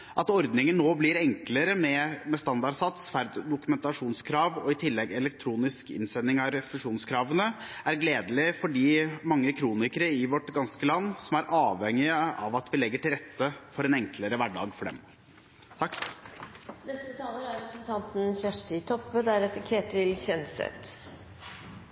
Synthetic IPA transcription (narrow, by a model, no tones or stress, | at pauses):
ʔɑt̪ɔɾd̪nɪŋənːoːblɪɾɛŋkləɾəmɛmɛst̪ɑnd̪ɑɖsɑt̪sfæɾd̪d̪ʊkʉmɛnt̪ɑʂuːnskʰɾɑːʋɔ̰ɪt̪ʰɪlːɛɡɛlɛkt̪ʰɾuːnɪskɪ̰nsɛnːɪŋɑɾfʉʂuːnskʰɾɑːʋənə | æɾɡleːd̪əlɪfɔɖiːmɑŋːəkʰɾuːnɪkəɾəɪʋɔʈɡɑnskəlɑnːsɔmæɾʔɑːʋɛŋːɪəɑʋɑt̪ʋɪlɛɡːəʈɪlɾɛt̪ʰːəfɔɾɛnɛŋkləɾəʋæɖɑ̰ːɡfɔɖɛ̰m | t̪ʰɑkː | nɛst̪ət̪ʰɑːləɾæɾpsn̩t̪ʰɑnt̪n̩çæʂʈɪt̪ʰɔpːəd̪æɾɛt̪ːəkʰeːt̪ʰɪlçɛnsɛ̰t̪